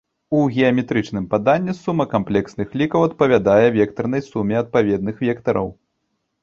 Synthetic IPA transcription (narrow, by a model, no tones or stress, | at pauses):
uɣʲɛɐmʲɛt̪ɾɨt͡ʂnɨmpad̪anʲːɛsumːɐkamplʲɛksnɨxlʲikɐwɐt̪̚pɐvʲad̪ajɛvʲɛkt̪ɐrn̪ɐjsumʲɛɐt̪̚pavʲɛd̪nɨxvʲɛkt̪ɐɾɐ̰w